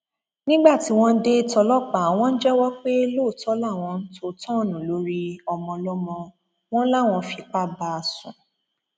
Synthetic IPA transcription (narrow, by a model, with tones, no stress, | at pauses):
nĩ˦ɡ͡ba˦˨ti˨˦w̃ɔ̃˦˧n̩˦de˦˨tɔ˧lɔ˦k͡pa˨w̃ɔ̃˦n̩˦d͡ʒɛ˦wɔ˦k͡pe˦lo˦˨tʰɔ˨˦la˦˨w̃ɔ̃˧n̩˦to˧˦tɔ̃˦˨nũ˨lo˨˦ɾi˧˦ɔ˧mɔ̃˧lɔ˦mɔ̃˧ | w̃ɔ̃˦la˦˨w̃ɔ̃˧fi˧˨k͡pa˦ba˧a˨sṵ̃˨